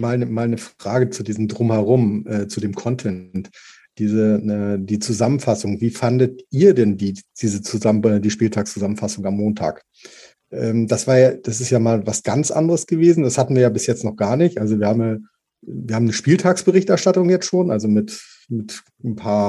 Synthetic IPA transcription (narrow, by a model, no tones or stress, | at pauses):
maːlnəmaːlnəfʁ̥aːɡət͡sudiːzm̩dʁʊmhɛʁ̞ʊmʔɛːt͡sudeːmkʰɔntʰɛnt | d̥iːzəɛːdiːt͡suzamənfasʊŋviːfandətʔiːɐdɛndiːd̥iːzət͡suzmɛdiːʃpiːltʰaːkst͡suzamən̩fasʊŋamːoːntʰa̰ːk | ʔɛːmd̥asv̥aːɐjad̥asɪstjaːmaːlvasɡ̥ant͡sʔa̰ndəʁəsɡ̥əveːzn̩dashatn̩viːɐjaːbɪsjɛt͡stnɔχɡ̥aːɐnɪçtʔalzoviːɐhaːmn | viːɐhaːmnəʃpiːltʰaːksb̥əʁɪçtʔɛɐʃtatʊŋjɛt͡stʃoːnʔalzomɪt | mɪt | n̩pʰaːɐ